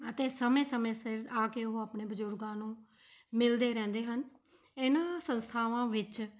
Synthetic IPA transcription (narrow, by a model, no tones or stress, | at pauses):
ət̪eːsəmẽːsəmẽːsɪɾaːkeːʊɦõaːpɳeːbəzʊɾɡãːnũː | mɪld̪eːɾɛ̃ːnd̪eːɦən | ɪnãːsənst̪ʰaːʋãːʋɪt͡ʃ